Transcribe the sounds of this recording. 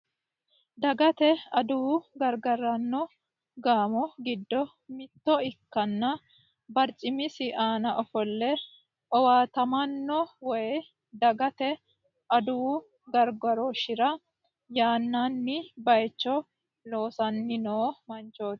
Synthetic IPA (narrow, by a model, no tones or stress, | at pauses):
d̪ɐɡɐt̪ɛɐd̪uːɡɐɾɡɐɾɐnːɔ | ɡaːmɔɡɪd̪ːɔ | mɪt̪ːɔɪkːɐnːɐ | bɐɾt͡ʃʼɪmɪsɪʔaːnɐʔɔfɔlːɛ | ʔɔwaːt̪ɐmɐnːɔwɔjɛ | d̪ɐɡɐt̪ɛ | ʔɐd̪uː | ɡɐɾɡɔɾɔʃɪɾɐ | jaːnːanːɪbɐjt͡ʃːɔ | lo̞ːsɐnːɪnoːmɐnt͡ʃoːt̪ː